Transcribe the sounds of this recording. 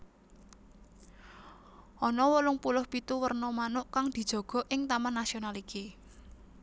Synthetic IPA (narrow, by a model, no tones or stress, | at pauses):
ʔɔnɔwəlʊŋpulʊhpit̪uwərnɔmanʊʔkaŋd̪̥i̤d̥ʒ̥ɔ̤ɡ̥ɔ̤ʔɪŋt̪amanːasionalike